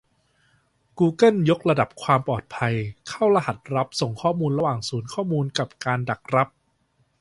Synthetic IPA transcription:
kuː˧kɤ˥˩njo˦˥k̚ɾa˧da˨˩p̚kʰwaː˧mpɔː˨˩t̪̚pʰa˧jkʰa˥˩wɾa˧ɦa˨˩t̪̚ɾa˦˥p̚so˨˩ŋkʰɔː˥˩muː˧nɾa˧waː˨˩ŋsuː˩˦nkʰɔː˥˩muː˧nka˨˩p̚kaː˧nda˨˩k̚ɾa˦˥p̚

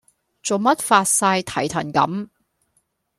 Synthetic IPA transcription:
t͡so˨wmɐ˥t̚faː˧t̚saː˧jt̪ʰɐ˨˩jt̪ʰɐ˨˩nkɐ̰˨˥m

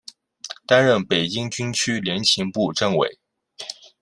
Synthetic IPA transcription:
t̪a˥nɻə˥˩npe˨˩ɪt͡ɕi˥ŋt͡ɕy˥nt͡ɕʰy˥ljɛ˧˥nt͡ɕʰi˧˥ŋpu˥˧ʈ͡ʂə˥˧ŋwḛ˨˩˦ɪ

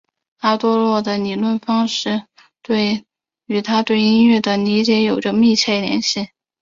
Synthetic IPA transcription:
a˥˩t̪wɔ˥lwɔ˥˩d̪ə˩ni˨˩lwə˥˩nfɑ˥ŋʂɻ̩˥˩˧ | t̪we˥˩ɪ | y˨˩t̪ʰa˥t̪we˥˩ɪi˥nɥɛ˥˩d̪ə˩ni˧˥t͡ɕjɛ˧˥jo˨˩ʊʈ͡ʂə˧mi˥˧t͡ɕʰjɛ˥˩ljɛ̰˧˥nɕi˥˩

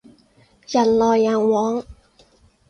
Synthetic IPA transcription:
ja˨˩nlɔː˧jːaː˨˩ŋwɔː˨˥ŋ

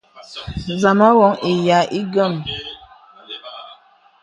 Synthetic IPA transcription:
za˨ma˦wɔ˨˦ŋi˨ja˨˦ʔi˦ɡə˦˨m

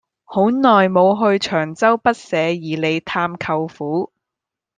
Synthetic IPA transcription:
ho˨˥wnɔː˨˩jmo˨˧wɦɵ˧ɥt͡ʃʰœː˨˩ŋt͡sɐ˥wpɐ˥t̚sɛː˨˧jiː˨˩le˨˧jt̪ʰaː˧mkʰɐ˧wfuː˨˥

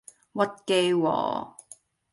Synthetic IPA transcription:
wɐ˥t̚ke˧jwɔ̰ː˨

